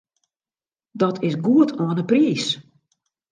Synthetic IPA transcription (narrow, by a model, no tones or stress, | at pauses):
dɔtʰɪsɡuətʰoənəpriːs